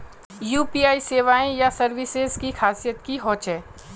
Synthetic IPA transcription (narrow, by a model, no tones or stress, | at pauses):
juːpiːaːiseːʋaːẽjasɐɾʋɪsezkixaːsijət̪kiɦɔːt͡ʃɛ̃ː